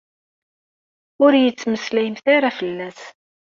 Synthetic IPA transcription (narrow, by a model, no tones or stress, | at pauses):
ʊɾjət͡sːməslæjəmθaɾafəlːæs